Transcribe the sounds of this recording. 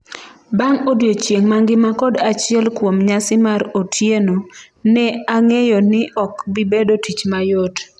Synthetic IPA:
baŋodjot͡ʃjeŋmaŋɡɪmakɔdat͡ʃɪɛlkwomɲasɪmaɾotʰjeno | nɛaŋejɔnɪʔɔkbɪbedotit͡ʃmajot

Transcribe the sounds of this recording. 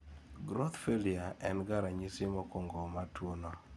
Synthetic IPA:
ɡɾot̪feliaɛnɡaɾaɲisimokoŋɡomatwono

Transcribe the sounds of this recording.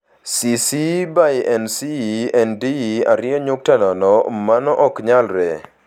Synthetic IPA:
sisibajʔɛnsiɛndia̰ɾɪɔɲʊk̚tanɔnɔmanɔʔɔkɲalɾɛ

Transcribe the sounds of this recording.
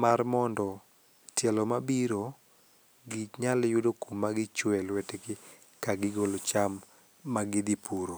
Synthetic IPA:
marmɔndɔ | tjɛlɔmabiɾo | ɡit͡ʃɲaljʊdokumːaɡɪt͡ʃwɛlwɛtekɪ | kaɡɪɡolot͡ʃamː | aɡɪd̪ipʰuɾo

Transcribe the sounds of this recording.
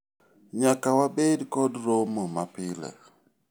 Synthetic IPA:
ɲakawabedkɔdɾomomapɪlɛ̰

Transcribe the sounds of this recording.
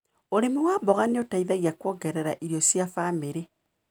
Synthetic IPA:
oɾemowaːbɔɣaneotaiðaɣjakwɔːɡɛɾɛɾaʔiɾjɔsjafameɾe

